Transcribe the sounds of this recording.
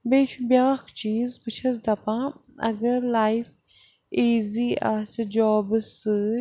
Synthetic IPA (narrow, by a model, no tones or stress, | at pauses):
beːt͡ʃʰubjaːxt͡ʃiːzpɨt͡ʃʰɐs̬d̪ɐpãː | ɐ̰ɡɐɾlajf | iːziːaːsɨd͡ʒɔːbsɨ